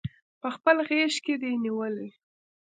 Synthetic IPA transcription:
pəxpəlɣeʃked̪eniwəli

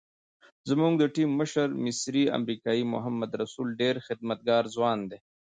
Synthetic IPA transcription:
zəmuŋɡd̪əʈimːəʃəɾmɪsɾia̰mɾikɑːimʊ̰ɦamːɐd̪ɾɐsulɖeɾxɪd̪̚mɐt̪̚ɡɑːɾzwɑːnd̪eː

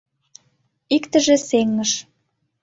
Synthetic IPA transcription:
ikt̪ə̆ʒĕseŋːəʃ

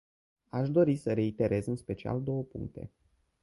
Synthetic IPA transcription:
aʃd̪o̞ɾisəɾe̞it̪e̞ɾe̞zɨnspe̞t͡ʃia̰ld̪o̞wəpṵŋk̚t̪e̞̰

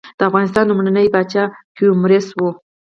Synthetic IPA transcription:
d̪̥əafɣɑnɪs̬t̪ɑnlumɳanəjbat͡ʃɑkiumɾɪswu

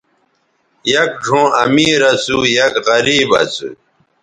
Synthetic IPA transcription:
jɐk̚ʐʱõːɐmiːɾɐt͡sujɐkʁɐɾiːbɐ̰t͡sṵ

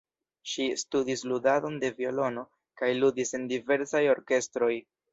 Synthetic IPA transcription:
ʃistudisludado̞nde̞vio̞lo̞no̞ | kajludisendive̞ɾsajo̞ɾke̞stɾo̞j

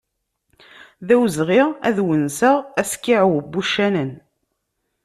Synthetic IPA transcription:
ðæwzʁɪʁæðwənsəʁæskːiʕwəbːuʃːænən

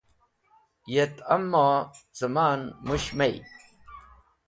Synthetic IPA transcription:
jet̪ɐmːaːzɐmaːnmuɕmej

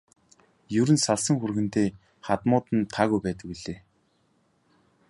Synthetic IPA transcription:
jɵɾɘ̆nsaɮsə̆ŋxurɣɘ̆nt̪eː | χat̪mʊːt̪ɘ̆nt̪ʰaːɣujpæːt̪ə̆kwiɮeː

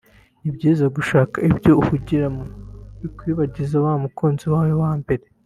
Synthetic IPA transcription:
ibɟiːzaɡuʃaːkaibjo̞uhuɟiɾamujikwiːβaɟizaβamukʰoːnziwaːwewaːmbeɾe

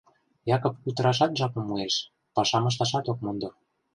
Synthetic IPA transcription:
jɑkŏpkyt̪ə̆ɾɑʃ̬ɑt̪ʒɑkɤ̆mːueʃ | pɑʃɑmɤ̆ʃ̬t̪ɑʃɑt̪ok̚mond̪ɤ̆

